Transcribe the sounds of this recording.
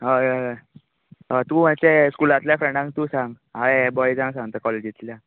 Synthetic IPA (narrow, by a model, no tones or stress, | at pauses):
ɦa | ɦat̪ũːm̤at͡seskulat̪ljafɾəɖãŋk̚t̪ũːsãŋɡ | ɦaebɔjd͡zãŋɡsãŋt̪əkɔled͡ʑit̪lja